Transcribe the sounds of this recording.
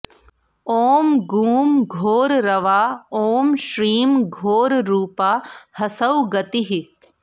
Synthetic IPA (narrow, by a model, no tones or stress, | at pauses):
oːmɡuːmɡʱoːɾɾɐʋaːoːmʃɾiːmɡʱoːɾɾuːpaːhɐsɐwɡɐt̪iɦi